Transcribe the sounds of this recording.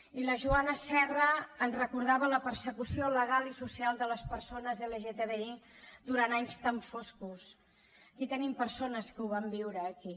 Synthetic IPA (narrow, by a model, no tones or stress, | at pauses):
iləʒuanəsɛrəːnrəkuɾð̞aβələpəɾsəkusioləɣ̞alisusialˠd̪ələspəɾsonəzeleʒet̪eβeid̪uɾanaɲst̪əɱfoskus | əkit̪ənimpəɾsonəskəuβ̞ambiwɾəːki